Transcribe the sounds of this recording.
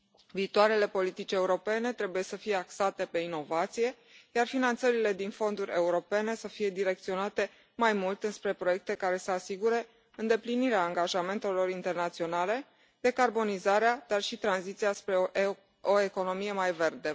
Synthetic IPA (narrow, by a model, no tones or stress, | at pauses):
viːt̪waɾe̞le̞po̞lit̪it͡ʃʲe̞uɾo̞pe̞ne̞t̪ɾe̞bujesəfijeaksat̪e̞pe̞ino̞vat̪sije̞ | jarfinant̪səɾile̞d̪info̞nd̪uɾʲe̞uɾo̞pe̞ne̞səfije̞d̪iɾe̞k̚t̪sio̞nat̪e̞ | majmult̪ɨnspɾe̞pɾo̞je̞k̚t̪e̞kaɾe̞səasiɡuɾe̞ | ɨnd̪e̞pliniɾeaːŋɡaʒame̞nt̪e̞lo̞rint̪e̞rnat̪sio̞nale̞ | d̪e̞karbo̞nizaɾead̪̥arʃit̪ɾanzit̪siaspɾe | oe̞ko̞no̞mije̞majve̞rd̪e̞